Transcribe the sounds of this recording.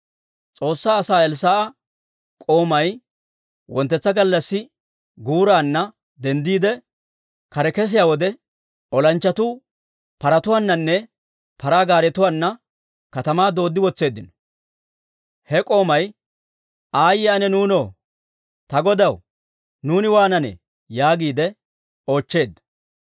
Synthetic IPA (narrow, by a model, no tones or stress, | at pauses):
t͡sʼo̞ːsːaːsaːɛls̬aːʔɐ | kʼo̞ːmɐj | wɔnt̪ːɛt͡sːɐɡɐlːɐsːɪ | ɡuːɾaːnːɐ | d̪ɛnd̪iːd̪ɛ | kɐɾɛkɛs̬ɪjaːwɔd̪ɛ | ɔlɐnt͡ʃːɐt̪u | pɐɾɐt̪ʊwaːnːɐnːɛ | pɐɾaːɡaːɾɛt̪ʊwaːnːɐ | kɐt̪ɐmaːd̪o̞ːd̪ːɪwɔt͡sːe̞ːd̪ːɪnɔ̥ | hɛkʼo̞ːmɐj | aːjɪanɛnuːnoː | t̪ɐɡɔd̪ɐw | nuːnɪwaːnɐnɛ̰ | jaːɡiːd̪ɛ | o̞ːt͡ʃːe̞ːd̪ːɐ̥